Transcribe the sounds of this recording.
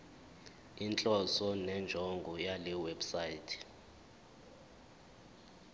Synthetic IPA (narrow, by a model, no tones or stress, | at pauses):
int͡ɬʼɔsɔnɛnd͡ʒʱɔŋɡʱɔjalɛwɛbsaitʰɛ̥